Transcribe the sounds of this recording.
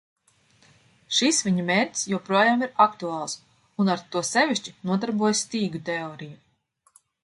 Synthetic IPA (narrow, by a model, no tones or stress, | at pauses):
ʃisvʲiɲumeːɾʲt̪ʲsjuwpɾuɔjaːmiɾakt̪uaːlˠs | unaɾt̪uɔsɛvʲiʃt͡ʃinuɔd̪aɾbuɔjsʲt̪iːɡut̪ɛoːɾiju